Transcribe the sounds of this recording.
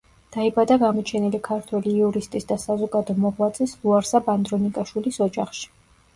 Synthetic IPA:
d̪̥aibad̪aɡamɔt͡ʃʰɛnilikʰaɾt̪ʰwɛliːuɾist̪ʼisd̪asazɔɡad̪ɔmɔʁwat̪sʼislˠuaɾsaband̪ɾɔnikʼaʃwilisɔd͡ʒaχʃi̥

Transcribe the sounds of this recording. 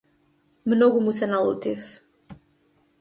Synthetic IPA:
mnɔɡumusɛnalˠṵt̪if

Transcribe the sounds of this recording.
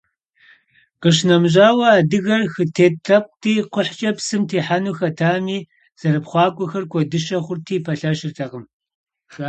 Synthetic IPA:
qəɕ̬nɐmʑaːwɐaːdɨɣɐrxɨtʰeːtʰrɐp̚ʷtʰiːqʷʊħt͡ʃʼɐpsɨmtʰeːħanuːxɐtʰaːmiː | z̥ɐɾɨpχʷɑːkʷʼɔxɐrkʷʰɔdɨʃɐχʷʊrtʰiːpʰɐɬɐʃɪrtʰɐqəm | xa

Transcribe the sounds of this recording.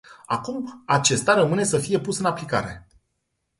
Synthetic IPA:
a̰kumat͡ʃe̞st̪aɾəmɨne̞səfije̞pusɨnaplika̰ɾe̞̰

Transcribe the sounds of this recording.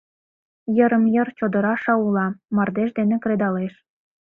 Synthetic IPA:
jə̆ɾə̆mjə̆rt͡ɕod̪ɤ̆ɾɑʃɑulɑmɑrd̪eʃd̪enekɾed̪ɑleʃ

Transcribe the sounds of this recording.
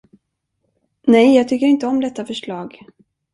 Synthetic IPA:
nɛjjɑːɡ̚t̪ʰʏkːəɾɪnt̪əɔmd̪ɛt̪ːafœʂɭɑːɡ

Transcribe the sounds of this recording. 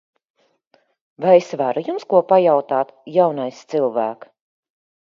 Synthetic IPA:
vajesvaɾujumskuɔpajawt̪aːt̪jawnajst̪silˠvæːk

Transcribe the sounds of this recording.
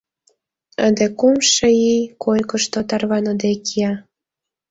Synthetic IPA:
əd̪ekumʃəijkʰojkə̆ʃt̪ot̪ɑrβɑnə̆d̪ekijɑ

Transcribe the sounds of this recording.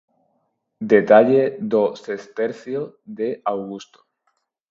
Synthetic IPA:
d̪e̞t̪aʎed̪osest̪eɾθjoðe̞ʔawɣust̪o̥

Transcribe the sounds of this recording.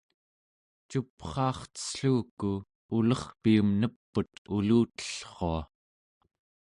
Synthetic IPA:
t͡ʃupχɑːχt̪ə̥sɬuːku | ulʌχpiumnəpːut̪uluːt̪ə̥ɬχo̰a

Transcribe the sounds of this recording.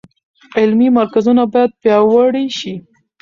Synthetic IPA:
ɪlmimaɾkazunabɑjad̪̚pjɑwaɽiʃi

